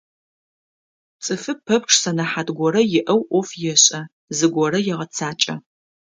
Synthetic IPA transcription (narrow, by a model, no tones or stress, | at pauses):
t͡sʼɨfɨpʰːɐpʈ͡ʂʰʼsɐnɐħadɡʷɔɾɐjɪʔɐwʔʷɔfjɛɕʼɐ | zɨɡʷɔrɐjɛʁɐt͡sʰaːt͡ʃʼɐ